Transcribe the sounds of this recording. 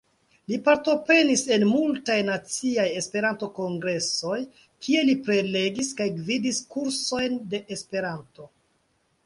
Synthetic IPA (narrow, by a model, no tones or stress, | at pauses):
lipaɾto̞pɾe̞nise̞nmultajnat͡siaje̞spe̞ɾanto̞ko̞ŋɡɾe̞so̞j | kʰie̞lipɾe̞le̞ɡiskajɡvidiskuɾso̞jnde̞ʔespe̞ɾanto̞